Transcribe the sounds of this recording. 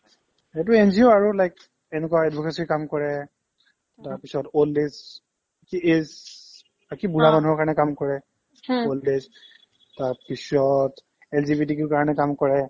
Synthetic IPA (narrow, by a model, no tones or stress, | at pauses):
et̬uenzioaɹulajk | ɛnɛkwaɛdbʱɔkesikamkɔɹɛ | taɹpisɔtoldes | akiez | bakibuɹamanuɦɔɹkaɹɔnɛkamkɔɹɛ | oldes | taɹpisɔt | ɛlzibitikuɹkaɹɔnɛkamkɔɹɛ